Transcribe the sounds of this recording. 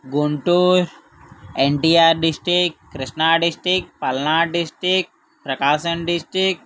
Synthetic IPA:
ɡuɳʈuːɾ | eɳʈiːaːɾɖisʈɾikkːɾiʃnaːɖisʈɾik̚ʈ̚pɐlnaːɖisʈɾik̚ | pɾɐkaːʃənɖisʈɾik̚

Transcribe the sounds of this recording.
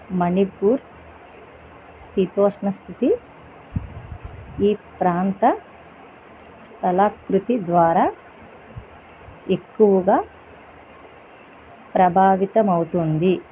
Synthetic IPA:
mɐnipːuːɾ | sit̪oːʂnɐst̪ʰit̪i | iːpɾaːnt̪ɐ | st̪ʰɐlaːkɾut̪id̪ʋaːɾaː | ekːuʋɐɡaː | pɾɐbʱaːʋit̪ɐmɐwut̪und̪i

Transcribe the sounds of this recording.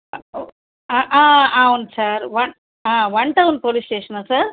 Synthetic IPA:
aʔaːaːunsaɾʋɐ | aːʋɐɳʈɐʋun̚poːlisʈeːʂɐnaːsaːɾ

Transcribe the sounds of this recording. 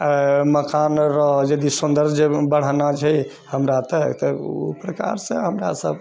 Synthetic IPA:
məkanɾɔɦd͡ʒəd̪isund̪əɾd͡ʒebəɽ̤anat͡ʃʰɛ | həmɾat̪ɔt̪ɔṵpɾəka̰ɾsə̰̃ɦəmɾa̰səb

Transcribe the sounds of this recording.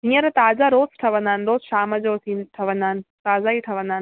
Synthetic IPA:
ɦĩːə̃ɾt̪aːzaɾoːsʈʰɐʋə̃nd̪aːnɪɾoːzʃaːməd͡ʑoːt̪ʰĩːnʈʰɐʋə̃nd̪aːnɪ̆t̪aːzaiʈʰɐʋə̃nd̪aːn

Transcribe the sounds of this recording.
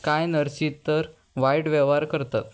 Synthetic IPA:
kajnəɾsit̪ːəɾ | ʋajɽʋeʋaɾkəɾt̪at̪

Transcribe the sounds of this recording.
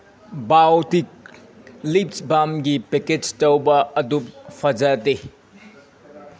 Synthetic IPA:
bawtik̚ | lip̚sbamɡipeked͡ʒtɐwbɐɐdup̚pʰɐd͡ʒɐte

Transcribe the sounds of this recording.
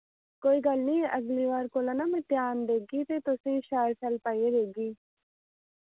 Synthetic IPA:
kojɡalnijeʔɐɡliʋaːɾkolɐnamɐt̪jaːnd̪eɡit̪et̪osĩɕaːɾt͡ɕɐlpajeɾeɡi

